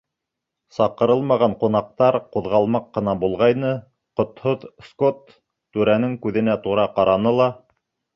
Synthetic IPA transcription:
sɑqɤ̆ɾɤlˠmɑʁɑɴqun̪ɑq̚t̪ɑɾquðʁɑlˠmɑqːɤ̆nɑbulˠʁɑjnɤ | qŏt̪hoðskot̪ː | ʉɾænɘŋkʉðɘ̆næt̪uɾɑqɑɾɑnɤlˠɑ

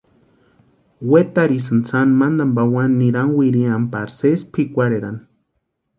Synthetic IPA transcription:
wet̪aɾis̬ɨnt͡sanmand̪ambawanːiɾanwiɾiampaɾsespʰikʷaɾeɾan

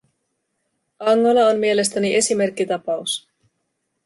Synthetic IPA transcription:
ʔɑŋːolɑonmie̞le̞st̪æniʔe̞sime̞rk̟ːit̪ɑpɑus

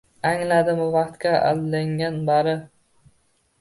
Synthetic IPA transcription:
aŋlad̪ɪmʊvɑqt̪kʲaa̰d̪laŋanbaɾɪ

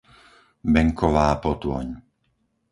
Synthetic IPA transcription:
bɛŋkʰɔʋaːpɔt̪wɔ̰ɲ

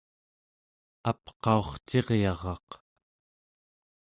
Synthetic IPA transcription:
apqɑo̞χt͡ʃe̞ʁjɑʁɑq

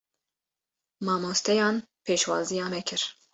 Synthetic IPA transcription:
mɑːmoːst̪ʰɛjɑːnpʰeːʃwɑːzijɑːmɛkʰɨɾ

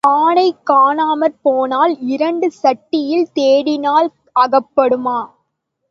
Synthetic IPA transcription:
aːɳɐɪkːaːɳaːmɐɾpoːnaːlɪɾɐɳɖɯsɐʈːɪjɪlt̪eːɽɪnaːl | ɐɣɐpːɐɽɯmaː

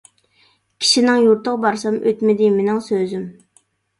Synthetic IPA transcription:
kʲʰi̥ʃinɪŋjuɾt̪ʰəʁbɑɾsɑmʔøt̪mɪd̪ɪmɪnɪŋsøzym

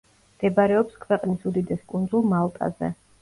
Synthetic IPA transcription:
md̪̥ɛbaɾɛɔpskʰwɛqʼnisud̪id̪ɛskʼund̪zulˠmalˠt̪ʼa̰zɛ̰

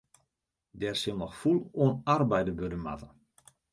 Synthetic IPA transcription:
dɛrsɪlˠnɔxfulˠuənarbɛjdəbødəma̰tə

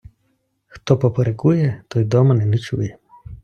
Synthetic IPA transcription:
xt̪ɔpɔpɔɾɛkujɛt̪ɔjd̪ɔmɐnɛnit͡ʃṵjɛ

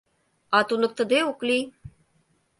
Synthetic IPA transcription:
at̪unək̚t̪əd̪eukli

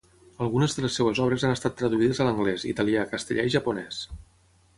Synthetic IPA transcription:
əlˠɣunəzðələsːewəzɔβɾəzanəst̪at̪ːɾəðuiðəzələŋɡlɛzḭt̪əliakəst̪ə̰ʎʔa̰iʒəpunɛs

